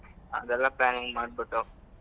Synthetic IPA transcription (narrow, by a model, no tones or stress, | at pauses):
ɐ̰d̪ɛlːaplaːniŋɡmaːɖbiʈːu